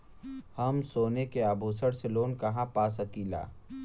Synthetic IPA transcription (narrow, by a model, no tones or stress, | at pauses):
hɐmsoːnekeaːbʱuːsəɽseloːnkɐɦãpaːs̬ɐkiːla̰ː